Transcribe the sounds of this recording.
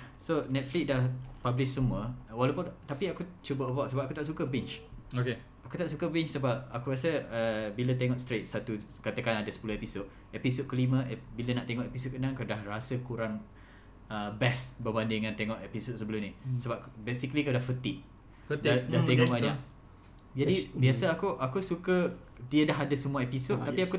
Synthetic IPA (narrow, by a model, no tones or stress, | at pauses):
sonɛt̪̚flik̚dahpablɪssəmuəwalawpʊnt̪apiakut͡ʃubəəvaʔsəbapʔakut̪aʔsukəbɪnt͡ʃoke | akut̪aʔsukəbint͡ʃsəbap̚akukas̬əəbilət̪̬eŋɔʔst̪ɾet̪̚sat̪ukat̪əkanadəsə̥pulohepisod̪̚ | episot̪̚kəlimə̃bilənaʔt̪eŋɔʔepisot̪̚kənãŋkadahrasəkuɾaŋ | əbɛsbəbandɪŋãnt̪eŋɔʔepisod̪̚səbəlʊmnisəbap̚besiklikadahfət̪iʔ | əd̪adaht̪eŋɔʔana | d͡ʒadibiasəakuʔakusukə | diədaɦadəsəmuaepisod̪̚t̪apiaku